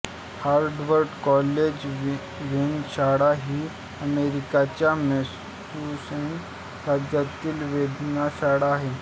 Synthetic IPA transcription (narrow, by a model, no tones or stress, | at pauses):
haɾɖʋəɾɖkɔled͡ʑ | ʋinɕaɽaɦiː | əmeɾikat͡ɕjames | tːusen | ɾad̪jat̪iːlʋed̪ʱnaɕaɽaːɦe